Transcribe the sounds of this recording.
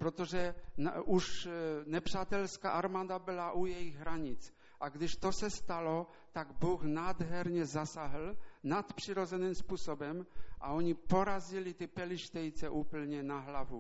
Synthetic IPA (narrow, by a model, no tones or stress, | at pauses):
pɾot̪oʒɛʔuʃnɛpr̝̥aːt̪ɛlska̰ːʔaɾmaːd̪abɪlaʔujɛjiɣɦɾaɲɪt͡s | ʔaɡd̪ɪʃt̪osɛst̪alo | t̪aɡbuːxnaːd̪ɦɛɾɲɛzasaɦl̩nat̪pr̥iɾozɛnimspuːsobɛmʔa̰oɲipoɾazilit̪ɪpɛliʃt̪ɛjt͡sɛʔuːpl̩ɲɛnaɦlavu